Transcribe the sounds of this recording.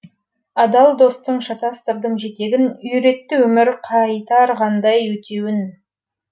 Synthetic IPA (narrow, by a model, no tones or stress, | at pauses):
ɑd̪ɑlˠd̪o̞st̪əɴʃɑt̪ɑst̪əɾd̪əɴʒe̞t̪e̞ɡʲɪnʏjɾe̞t̪ːɪwɵmɪɾqʰɑjt̪ɑɾʁɑnd̪ɑjwɵt̪ʰe̞wɪn